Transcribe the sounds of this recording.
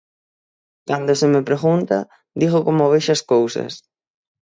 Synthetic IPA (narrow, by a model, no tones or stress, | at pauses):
kand̪osemepɾeɣunt̪a̰ | d̪iɣokomoβeʃɐskowsɐ̰s